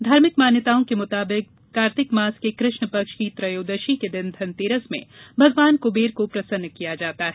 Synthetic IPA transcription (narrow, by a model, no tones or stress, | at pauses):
d̪ʱaːɾmɪkmaːnjət̪aːõkemʊt̪aːbɪk̚ːaːɾt̪ɪkmaːskekɾɪʃɳəpɐkʃkit̪ɾɐjoːd̪əʃiked̪ɪnd̪ʰʱɐnt̪eːɾəsmḛ̃bʱɐɡʋaːnkʊbeːɾkopɾɐsənːkijad͡ʒaːt̪aɦɛ